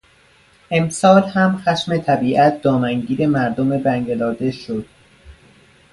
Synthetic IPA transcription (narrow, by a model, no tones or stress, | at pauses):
ʔe̞msɒːlhæmxæʃme̞t̪ʰæbiːʔæt̪̚ʰd̪̥ɒːmæŋɟiːɾe̞mæɾd̪ome̞bæŋɡelɒːd̪e̞ʃod̪̥